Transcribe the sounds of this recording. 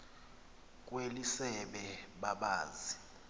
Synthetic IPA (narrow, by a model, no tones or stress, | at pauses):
k̬ʼwelisɛɓɛɓaɓaːzi